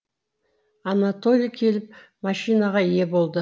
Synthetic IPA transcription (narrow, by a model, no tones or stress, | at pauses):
ɑnat̪o̞lʲijkʲʰe̞lɪp̚mɑʃijnaʁɑje̞bo̞lˠd̪ə